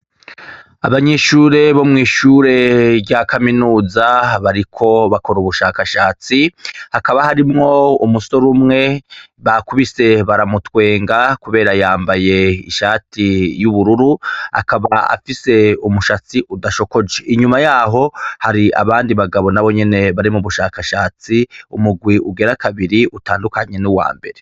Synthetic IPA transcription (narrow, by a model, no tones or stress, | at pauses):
a̰βaɲeʃuːɾe̞βomŋiːʃuɾe̞ɾɟakʰaminuːzaβaɾikʰo̞βako̞ɾuβuʃaːkaʃaːt͡sihakaβahaɾimŋo̞umuso̞ɾumŋe̞ | βakuβise̞βaɾamutwe̞ːŋɡakuβe̞ːɾajaːmbaje̞ḭʃaːtijuβuɾuɾua̰kaβaa̰fise̞umuʃat͡siʔudaʃo̞ko̞d͡ʒe̞ʔiɲumajaːɦo̞haɾiʔa̰βaːndiβaɡaβo̞naβo̞ɲe̞ne̞βaɾimuβuʃaːkaʃaːt͡siṵmuɡwiʔuɡe̞ɾakaβiɾiʔutaːndukaɲe̞nuwa̰ːmbe̞̰ɾe